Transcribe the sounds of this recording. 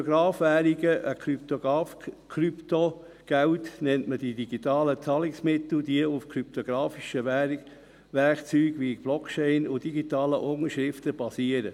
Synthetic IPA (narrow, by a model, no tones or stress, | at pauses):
ɡɾɑːfʋæːɾiɡəʔəkʰɾyp̚t̪oɡɑːfkʰɾypto | ɡ̥æʊtnɛntməd̥idiɡit̪ɑːlət͡sɑlɪksmɪt̪l̩diəufkʰɾyp̚t̪oɡ̥ɾɑːfiʃə | ʋɛɾkt͡syːɡʋikb̥lɔkt͡ʃɛɪnʊd̥iɡitɑːləʔʊŋəɾʃʁɾɪftəb̥ɑsiəɾə